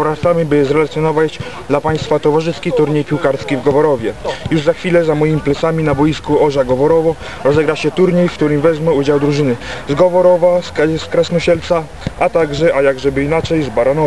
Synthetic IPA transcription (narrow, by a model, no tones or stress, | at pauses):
vɾat̪samibɘzɾɛlat̪sʲjɔnɔvad͡ʑd̪lapaj̃st̪fat̪ɔvaʐɘskʲit̪uɾɲejpʲiwkaɾskʲivɡɔvɔɾɔvʲjɛjuʐzaxfʲilɛzamɔjimʲiplɛt̪samʲinabɔjiskuɔʐaɡɔvɔɾɔvɔ | ɾɔzɛɡɾaɕɛt̪uɾɲejfkt̪uɾɘmvɛzmɛud͡ʑawd̪ɾuʐɘnɘzɡɔvɔɾɔvasskɾasnɔɕɛlt̪sa | ʔat̪aɡʐɛʔajaɡʐɛbɘinat͡ʂɛjzbaɾanɔ